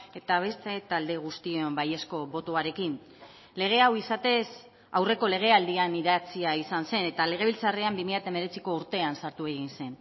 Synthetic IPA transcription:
e̞t̪aβ̞e̞st̪e̞t̪ald̪eɣ̞ust̪ioombaje̞sko̞βo̞t̪oaɾe̞kin | le̞ɣ̞e̞awisat̪e̞s | awre̞ko̞le̞ɣ̞e̞ald̪ianiðat͡siaisanse̞ne̞t̪ale̞ɣ̞e̞βilt͡sareambimiʎat̪aeme̞ɾe̞t͡siko̞uɾt̪e̞ansaɾt̪ue̞ɣinse̞n

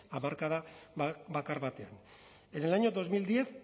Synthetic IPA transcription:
amaɾkaðaβakaɾβat̪ean | enelaɲod̪o̞zmild̪ieθ

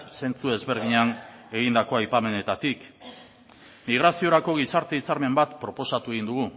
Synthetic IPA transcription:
se̞nt͡sue̞zβe̞ɾð̞iɲane̞ɣind̪ako̞ajpame̞ne̞t̪at̪ik | miɣ̞ɾasio̞ɾako̞ɣ̞isaɾt̪e̞it͡saɾme̞mbat̪pɾo̞po̞sat̪ue̞ɣind̪uɣ̞u

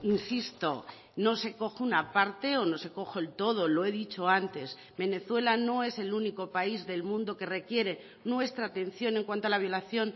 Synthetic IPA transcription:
insist̪o̞̰ | no̞se̞ko̞xounapaɾt̪e̞ono̞se̞ko̞xoelt̪o̞ð̞o̞lo̞e̞ðit͡ʃo̞ant̪e̞s | be̞ne̞θwe̞lano̞e̞se̞luniko̞paizðe̞lmũnd̪o̞ke̞re̞kje̞ɾe̞ | nwe̞st̪ɾaːt̪e̞nθjo̞ne̞ŋkwant̪oalaβjo̞laθjo̞n

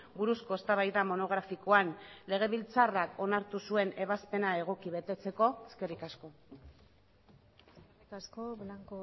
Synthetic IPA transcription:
buɾusko̞est̪aβajðamo̞no̞ɣ̞ɾafiko̞anle̞ɣ̞e̞βilt͡sarako̞naɾt̪usue̞ne̞β̞aspe̞nae̞ɣ̞o̞kiβe̞t̪e̞t͡se̞ko̞eske̞rikasko̞ | askoblaŋko

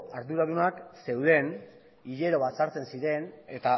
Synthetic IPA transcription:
aɾðuɾaðunakse̞wðe̞n | iʎe̞ɾo̞βasaɾt͡se̞nsiɾe̞ne̞t̪a

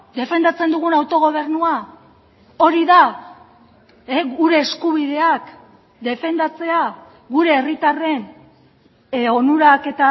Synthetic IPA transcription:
d̪e̞fe̞nd̪at͡se̞nd̪uɣ̞unawt̪o̞ɣ̞o̞β̞e̞ɾnua | o̞ɾiða | eɣuɾe̞ːskuβ̞iðe̞ak | d̪e̞fe̞nd̪at͡se̞a | ɡuɾe̞ːrit̪are̞n | o̞nuɾake̞t̪a

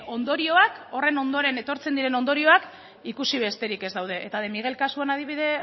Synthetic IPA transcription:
o̞nd̪o̞ɾio̞ako̞re̞no̞nd̪oɾe̞ne̞t̪o̞ɾt͡se̞nd̪iɾe̞no̞nd̪o̞ɾio̞ak | ikusiβe̞st̪e̞ɾike̞zd̪awð̞e̞ʔːt̪aðemiɣ̞e̞lkasuanað̞iβ̞iðe̞

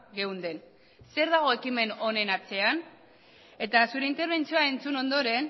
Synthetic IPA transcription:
ɣe̞wnd̪e̞n | se̞ɾðaɣ̞o̞ekime̞no̞ne̞nat͡se̞an | e̞t̪asuɾe̞int̪e̞ɾβ̞e̞nt͡sioae̞nt͡suno̞nd̪o̞ɾe̞n

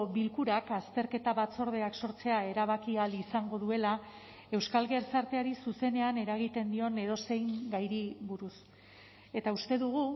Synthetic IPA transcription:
βilkuɾakast̪e̞ɾke̞t̪aβat͡so̞ɾð̞e̞akso̞ɾt͡se̞ae̞ɾaβ̞akialisaŋɡo̞ðue̞la | e̞wskalɣeɾsaɾt̪eaɾisuse̞ne̞ane̞ɾaɣ̞it̪e̞nd̪io̞ne̞ɾo̞se̞jŋɡajɾiβuɾus | e̞t̪aust̪e̞ðuɣ̞u

